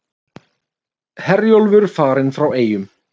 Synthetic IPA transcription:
hɛrjowlvʏɾfaːɾɪnfɾaweːjʏm

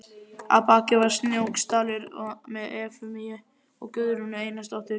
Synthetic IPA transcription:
a̰paːcɪvaɾ̥snjowkst̪aːlɪɾɔmɛðɛːfʏmijɪ | ɔɣkʏðɾunʏeːjnast̪ɔht̪ɪɾ

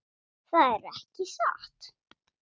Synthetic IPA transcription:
θaðɛɾɛhcɪsa̰ht̪

